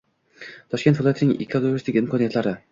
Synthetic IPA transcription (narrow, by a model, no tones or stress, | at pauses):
t̪ʰɒʃkʲet̪vɪlɒjat̪ʰnɪŋɪ̰kʲʰːɒd̪oɾɪst̪ɪkʲɪmkʰɒnijat̪laɾɪ